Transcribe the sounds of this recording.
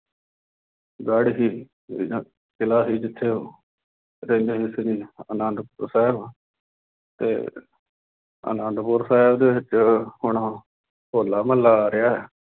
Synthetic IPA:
ɡaːɽisiː | kɪlaːsiːd͡ʒɪt̪ʰːeː | ɾẽːnd͡ʒeɦɪsɾiːə̰nə̃nd̪pʊɾsɛːɪb | t̪ḛː | ə̰nəːnd̪pʊɾsaːɪbd̪eːʋɪt͡ʃhʊɳa | hoːlːaːməlːaːɾɪjaːɦɛː

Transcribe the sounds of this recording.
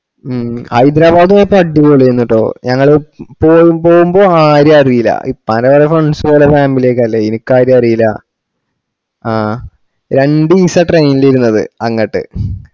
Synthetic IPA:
hɐjd̪ɾaːbaːd̪aepːɐɖːiɣoːɭːiɾunːiʈːo̞̰ːɲɐŋːɐɭpoːjumpo̞ːɣumbo̞ːaːɾjɐɐrijilɐ̰ʔipːɐlɐʋɐɾefɐɳsoːlɐfaːmːilijekːɐlːeinikːaːɾjɐɐrijilɐ̰ | aː | ɾe̞ɳɖɨisɐʈrejniliɾunːɐðɨ̰ɐŋːɐʈːɨ̰

